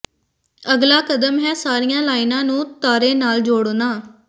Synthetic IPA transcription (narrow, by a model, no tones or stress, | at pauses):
əɡlaːkəd̪əmɦɛːsaːɾɪjãːlaːɪnãːnũːt̪aːɾeːnaːld͡ʒoːɽoːnaː